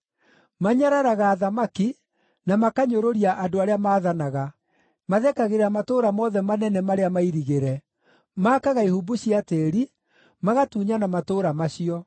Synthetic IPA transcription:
maɲaɾaɾaɣaːðamaki | namakaɲoɾoɾiaʔadoaɾeamaːðanaɣa | maðɛkaɣeɾamatoːɾamɔðɛmanɛnɛmaɾeamaiɾiɣeɾɛ | maːkaɣaihubuɕiateɾi | maɣatuːɲanamatoːɾamaɕiɔ

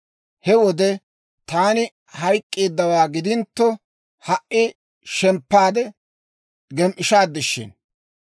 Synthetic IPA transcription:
hɛwɔd̪ɛ | t̪aːnɪ | hɐjkʼːeːd̪ːɐwaːɡɪd̪ɪnt̪ːɔ | hɐʔɪ | ʃɛmpːaːd̪ɛ | ɡɛmʔɪʃaːd̪ːɪʃːɪ̰n

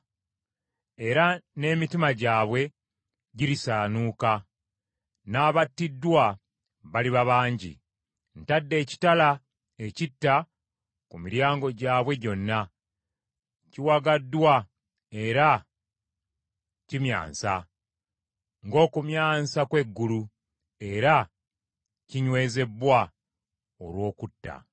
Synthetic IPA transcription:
e̞ɾane̞ːmitimaɟaːβwe̞ | ɟiɾisaːnuːka | naːβatːidwa | βaliβaβaːɲɟḭ | n̩tadːe̞ːci̥tala | e̞citːa | kumiɾjaːŋɡo̞ɟaːβwe̞ɟo̞nːa | ciwaɡadːwa | e̞ɾa | cimja̰ːnsa | ŋɡo̞ːkumjaːnsakwe̞ɡːulu | e̞ɾa | ciɲwe̞ːze̞bwa | o̰lwo̞ːkutːa̰

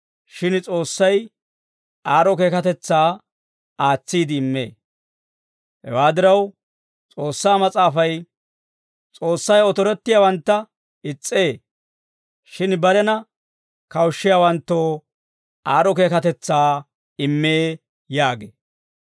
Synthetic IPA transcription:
ʃɪnt͡sʼo̞ːsːɐj | aːɾɔke̞ːkɐt̪ɛt͡sːaː | aːt͡sːiːd̪ɪːmːḛː | hɛ̰waːd̪ɪɾɐw | t͡sʼo̞ːsːaːmɐt͡sʼaːfɐj | t͡sʼo̞ːsːɐjɔt̪ɔɾɛt̪ːɪjaːwɐnt̪ːɐ | ɪt͡sʼːe̞ː | ʃɪnbɐɾɛnɐ | kɐwʃːɪjaːwɐnt̪ːoː | aːɾɔke̞ːkɐt̪ɛt͡sːaː | ɪmːeː | jaːɡḛː

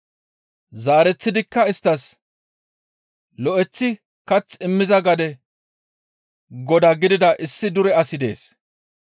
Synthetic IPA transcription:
zaːɾɛt͡sːɪd̪ɪkːɐɪst̪ːɐs | lɔʔɛt͡sːɪ | kɐt͡sːɪmːɪzɐɡɐd̪ɛ | ɡɔd̪ɐɡɪd̪ɪd̪ɐʔɪsːɪd̪ʊɾɛɐsɪd̪e̞̰ːs

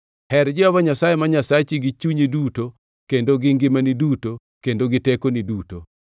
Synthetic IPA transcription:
hɛɾd͡ʒɪɔvaɲasajemaɲasat͡ʃiɡit͡ʃuɲeduto | kendoɡɪŋɡɪmaniduto | kendoɡɪtekoniduto

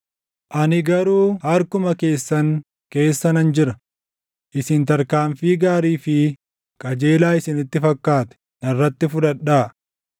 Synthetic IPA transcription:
ʔɐnɪɡɐɾuːhɐɾkʊmɐke̞ːsːɐŋ | ke̞ːsːɐnɐnd͡ʒɪɾɐ | ʔɪsɪnt̪ɐɾkaːɱfiːɡaːɾiːfɪ | kʼɐd͡ʒe̞ːlaːɪsɪnɪt̪ːɪfɐkːaːt̪ɛ̥ | nɐrːɐt̪ːɪfʊᶑ̪ɐᶑːaː

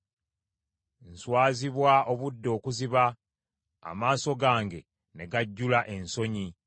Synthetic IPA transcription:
n̩swaːziβwao̞βudːo̞ːkuziβa̰ː | maːso̞ɡaːŋɡe̞ | ne̞ɡaɟːulaʔe̞nso̞ɲi

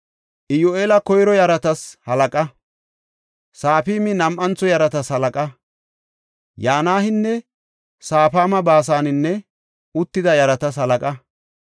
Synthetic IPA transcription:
ʔɪjoʔeːlɐkɔjɾɔjɐɾɐt̪ɐshɐlɐkʼɐ | saːfiːmɪnɐmʔɐnt͡sːɔjɐɾɐt̪ɐshɐlɐkʼɐ | jaːnaːhɪnːɛ | saːpaːmɐbaːs̬aːnɪnːɛ | ʊt̪ːɪd̪ɐjɐɾɐt̪ɐs̬hɐlɐkʼɐ

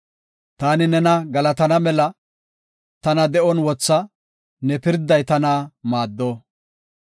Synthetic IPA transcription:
t̪aːnɪnɛnɐɡɐlɐt̪ɐnɐmɛlɐ | t̪ɐnɐd̪ɛʔɔnwɔt͡sːɐ | nɛpɪɾd̪ːɐjt̪ɐnɐmaːd̪ːoː

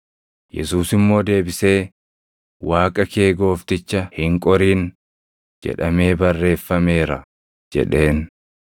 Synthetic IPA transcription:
jɛ̰suːsɪmːo̞ːd̪e̞ːbɪse̞ː | waːkʼɐke̞ːɡo̞ːft̪ɪt͡ʃːɐhɪŋkʼɔɾiːn | d͡ʒɛ̰ᶑɐme̞ːbɐrːe̞ːfːɐme̞ːɾɐ | d͡ʒɛ̰ᶑe̞ːn

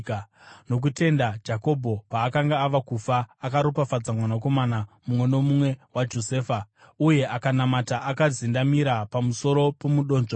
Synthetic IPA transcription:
no̞k̬ute̞ndad͡ʒako̞bʱo̞paːkaŋɡaːʋakufaːkaɾopafad͡zamwanako̞manamumwe̞no̞mumwe̞wad͡ʒo̞se̞ːfa | uje̞ʔakanamataʔakazindamiɾapamuso̞ɾo̞pomuɗo̞ːnʐo

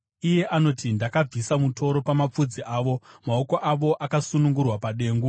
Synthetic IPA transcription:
ije̞ʔano̞tindakab͡visamuto̞ɾo̞pamap͡fud͡ziʔaːʋo̞mao̞ko̞ʔaʋo̞ʔakasunuŋɡurwapaɗe̞ːŋɡu

